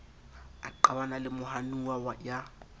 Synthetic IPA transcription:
aǃawanalɪmʊhanuwawaja

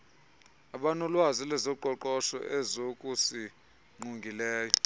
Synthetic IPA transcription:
aɓanɔlwazilɛzɔǃʱɔǃɔʃɔ̰ʔɛzokʼusi | ŋ͡ǃuŋɡʱilɛːjɔ

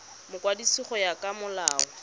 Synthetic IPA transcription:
mʊkʼwadisiχɔjakʼamʊlaːɔ

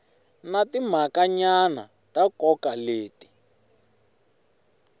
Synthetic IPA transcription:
natim̤akaɲana̰ | takɔkaleːti̥

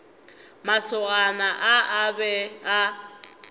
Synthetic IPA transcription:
masʊɣanaʔaʔabɛa

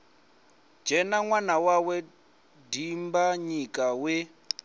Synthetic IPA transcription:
d͡ʒɛnaŋwanawawɛ | dimbaɲikʼawe

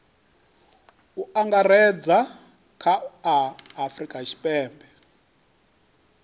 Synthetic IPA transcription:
uaŋɡaɾɛd͡za | kʰaː | frikʼat͡ʃʰi̥pʼɛːmbɛ

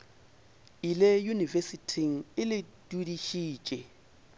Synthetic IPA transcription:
ilɛjunivesitʰiŋ̩ɪlɪtʼudiʃi̥ːt͡ʃʼɛ

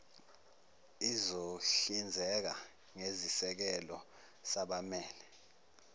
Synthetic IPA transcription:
izoɬind͡zʱɛk̬a | ŋezisɛk̬ɛlɔ | saɓamɛːlɛ

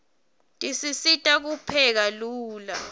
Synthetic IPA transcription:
tʼisisitʼak̬upʰɛk̬aluːla

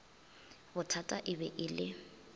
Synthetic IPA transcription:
bʊtʰatʼaʔɪbɛʔɪlɪ

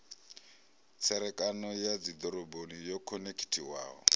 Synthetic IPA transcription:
t͡sʰɛɾɛkʼanɔjad͡zid̪ɔɾɔbonijɔkʰɔnekʰi̥tʰiwa̰ːɦɔ̰

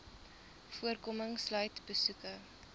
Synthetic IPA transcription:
fuərkɔməŋslœɥtbəsukə

